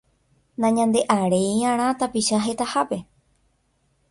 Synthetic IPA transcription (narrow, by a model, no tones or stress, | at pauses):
nãɲãnd̪e̞ʔaɾe̞jãɾ̃ãt̪apiʃaɦe̞t̪ahape̞